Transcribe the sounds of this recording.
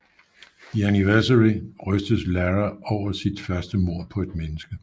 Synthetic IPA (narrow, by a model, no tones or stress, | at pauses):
iæniʋæɐsæʁiʁœsd̥əslæʁæʔɒʊ̰ɐsid̥fɶɐsd̥əmo̝ɐ̰pʰɒ̽e̝d̥menəsɡ̥ə